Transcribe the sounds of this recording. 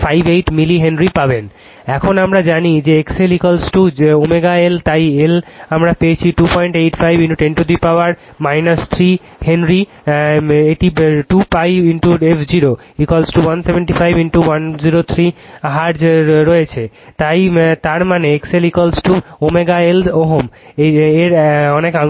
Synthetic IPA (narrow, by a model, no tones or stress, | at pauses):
fʰajbejʈmiliɦenɾipaben | ɛkʰonamɾad͡ʑanid͡ʑeekselikolsʈuomeɡaelt̪ajelamɾapeet͡ɕʰiʈupɔjɳʈeʈfʰajbiɳʈuʈeɳʈud̪ɾipaoaɾ | majnast̪ʰɾi | henɾi | eʈiʈupajbinʈuefʰd͡ʑiɾo | ikolsʈuwansebeɳʈifʰajbiɳʈuwand͡ʑiɾot̪ʰɾiaɦaɾd͡ʑɾɔjet͡ɕʰe | t̪ajt̪aɾmaneekselikolsʈuomeɡaeloɦomeeɾɔneka